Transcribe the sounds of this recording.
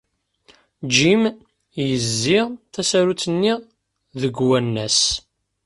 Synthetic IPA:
d͡ʒim | jəzːiʁθæsæɾut͡sːənːiʁ | ðəɡwænːæs

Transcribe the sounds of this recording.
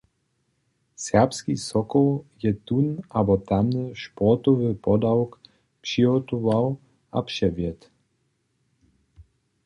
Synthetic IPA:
sɛʁpskisɔkɔljɛt̪unabɔt̪amnəʃpɔt̪ɔvəpɔd̪awk | pʃiɔt̪uvaw | apʃɛvjɛt̪

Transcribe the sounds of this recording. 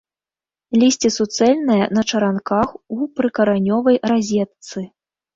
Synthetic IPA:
lʲisʲt͡sʲisut̪sɛlʲnɐjɐnɐt͡ʂɐɾankaxupɾɨkɐɾanʲɔvɐjɾazʲɛt̪sɨ

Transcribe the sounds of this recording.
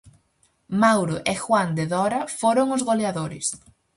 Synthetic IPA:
mawɾʊʔexwand̪eðɔɾɐfoɾoŋʊzɣoleaðoɾɪ̰s

